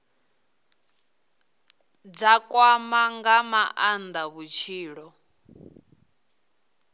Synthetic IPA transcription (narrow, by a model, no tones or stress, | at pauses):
d͡zakʼwamaŋɡamaʔand̪aβut͡ʃʰiːɺɔ